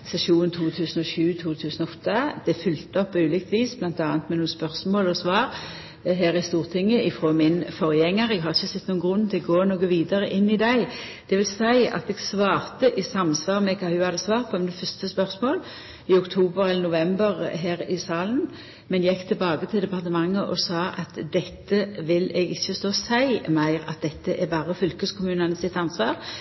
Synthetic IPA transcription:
sɛsuːnn̩t̪ʰuːt̪ʰʉːsn̩ɔɕʉːt̪ʰuːt̪ʰʉːsnɔɔt̪ːəd̪̥ɛfʏlt̪əɔpːɔʉːlɪkt̪ʋiːsblɑnt̪ɑːnt̪mɛnuːnspœʁsmoːlɔsʋɑːɾ | ɦæːɾɪst̪uːʁt̪ʰɪŋːəʔɪfʁoːmɪnfɔʁjɛŋːəɾɛɡɦɑɾʁɪçəsɛt̪ːnuːənɡʁʊnːt̪ʰɪlɔɡoːnuːɡəʋiːd̪əɾəʔɪnːɪd̪æɪ | d̪̥ɛʋɪlsæɪɑ̰t̪ɛɡsʋɑːɾt̪əʔɪsɑmsʋɑːɾmɛkʰɑːhʉhɑd̪əsʋɑːɾt̪̚pʰɔmnd̪ɛfœɾst̪əspœɾsmoːl | ɪʊkt̪ʰuːbəɾɛlːəɾnʊʋɛmbəɾɦæːɾɪsɑːlən | mɛnjɛkːt̪ʰɪlbɑːɡət̪ʰɪld̪ɛpɑʁt̪əmɑŋːəʔɔsɑːʔɑt̪d̪ɛt̪ːəʋɪlɛɡɪçːəst̪oːsæɪmæɪɾɑ̰t̪̚d̪ɛt̪ːəʔæbɑːɾəfʏlkəskʰʊmʉːnənəsɪt̪ːɑnsʋɑːɾ

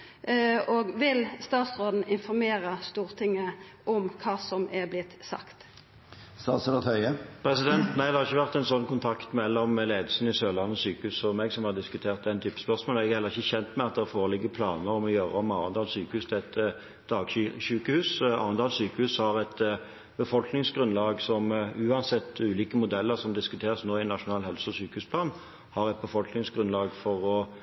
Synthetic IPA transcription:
oːɡʋɪlst̪ɑːt̪sʁoːd̪n̩ɪnfɔɾmeːɾəst̪uːʁt̪ʰɪŋːəʔɔmkʰɑːsɔmɛblɪt̪sɑ̰kt̪ | st̪ɑːt̪səɾɑt̪hœʏəpʰɾɛsɪd̪ɛnt̪næɪd̪ɑhɑʁɪçːəʋæʁt̪ɛnsɔnːkʊnt̪ʰɑkt̪mɛlːɔmleːd̪əlsn̩ɪsøːʁlɑnːəsyːkəhʉːsɔmɛɡsɔmhɑd̪ɪskʉt̪ʰeːʁt̪̚d̪ɛnt̪ʰyːpːə̥spœʁsmoːl̩ɛɡʁhɛlːʁɪçːəçɛnt̪mæɪɑt̪̚d̪ɛʁfoːʁəlɪɡəpʰlɑːnəɾɔmɔjøːʁəɔmɑːʋənd̪ɑːlsyːkəhʉːst̪ʰɛɛt̪ | d̪̥ɑːɡɕʉːkəhʉːsɑ̰ːʋənd̪ɑːlsyːkəhʉːshɑʁɛt̪ | bəfɔlknɪŋsɡɾʉnlɑːɡsɔmʉːɑnsɛt̪ːʉːliːkəmʊd̪ɛlːəɾsɔmd̪ɪskʉt̪ʰeːʁəsnoːɪnɑʂʊnɑːlhɛlsɔsyːkəhʉːspʰlɑːn | hɑʁɛt̪̚bəfɔlknɪŋsɡʁʉnlɑːɡfɔʁɔ

